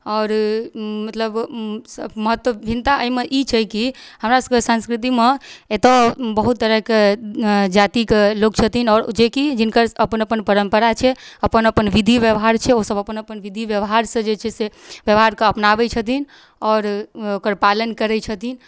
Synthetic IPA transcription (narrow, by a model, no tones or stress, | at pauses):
ɔːɾmət̪ləb | məɦət̪wəbʱint̪aʔəmeʔit͡ʃʰɛkihəmɾasə̥kesãnskɾit̪̬imeet̪əbəɦut̪̚ːəɾəɦke | d͡ʒat̪iklokt͡ʃʰət̪inɔːɾd͡ʒekid͡ʒinkəɾəpənəpənpəɾəmpəɾat͡ʃʰɛəpənəpənʋid̪ʱiʋjəʋɦaɾt͡ʃʰɛosəbʱəpənəpənʋid̪ʱiʋjəʋɦaɾsə̃d͡ʒet͡ʃʰɛsebjəʋɦaɾkeəpnaʋɛt͡ʃʰət̪in | ɔːɾokəɾpalənkəɾɛt͡ʃʰət̪in